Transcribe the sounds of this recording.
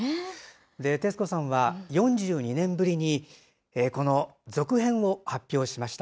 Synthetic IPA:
d̪e̞t̪esɨ̥ko̞sãɰ̃βajõ̞ɲd͡ʑɨːɲ̟inẽ̞mbɯ̟ɾʲiɲ̟i | eko̞no̞zo̞kɯ̟ɦẽ̞ɰ̃o̞hapʲːjo̞ːɕimaɕi̥t̪a

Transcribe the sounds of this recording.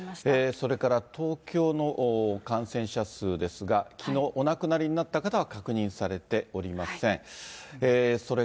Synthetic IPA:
eːso̞ɾe̞kaɾat̪o̞ːkʲo̞ːno̞ʔkãɰ̃sẽ̞ɰ̃ɕasɨːd̪e̞sɨɡakʲino̞ːʔonakɯ̟naɾʲiɲ̟inat̪ːakat̪aβakakɯ̟ɲ̟ĩɰ̃saɾe̞t̪e̞o̞ɾʲimasẽ̞ɰ̃eːso̞ɾe

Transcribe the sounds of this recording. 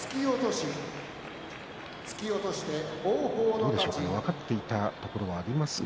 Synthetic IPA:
t͡sɨ̥kʲiot̪oɕi | t͡sɨ̥kʲio̞t̪o̞ɕi̥t̪e̞oːɡoːd̪oːd̪eɕo̞kad̪eβakat̪ːe̞it̪at̪o̞ko̞ɾo̞βaːɾʲimasɨ̥

